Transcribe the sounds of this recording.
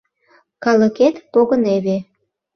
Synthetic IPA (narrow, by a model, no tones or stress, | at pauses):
kɑlə̆ket̪poɣəneβe